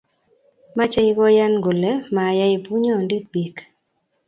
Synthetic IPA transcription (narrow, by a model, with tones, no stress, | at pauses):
ma˦t͡ʃa˦i˦ɡɔ˦ja˦nɡo˨lɛ˦ma˨ja˦i˨pu˦ɲɔ˦˨ndi˦k̚bi˨k